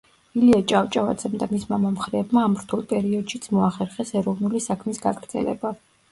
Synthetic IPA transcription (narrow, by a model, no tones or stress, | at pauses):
iliat͡ʃʼavt͡ʃʼava̰d̪z̥ɛmd̪amismamamχɾɛːbmaːmɾt̪ʰulˠpʼɛɾiɔd̪̥ʃit̪sʰmɔaχɛɾχɛsɛɾɔvnulisakʰmisɡa̰ɡɾd̪zɛ̰lɛ̰ba